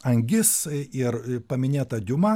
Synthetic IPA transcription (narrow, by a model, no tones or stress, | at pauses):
ɐŋʲɡʲɪsɪrpɐmʲɪnʲeːt̪ɐd̪ʲʊmɐ